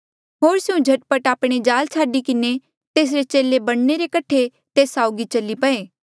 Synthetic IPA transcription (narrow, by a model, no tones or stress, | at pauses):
ɦoːɾsɪũd͡ʒʱɐʈ̚pəʈaːpɽ̃ed͡ʒaːlt͡ʃʰaːɖikɪne | t̪eːs̬ɾet͡ʃeːlebɐɽ̃neɾekəʈʰe | t̪eːsaːʊɡit͡ʃɐlːipɐeː